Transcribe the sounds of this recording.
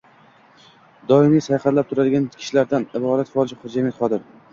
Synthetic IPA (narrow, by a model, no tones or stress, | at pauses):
d̪ɒɪmijsajχaɾlap̚t̪ʰʊɾad̪ɪɡʲankʲʰɪ̥ʃlaɾd̪anɪbɒɾat̪fɒlˠɪʃɪχʊd͡ʒamat̪χɒd̪ɪɾ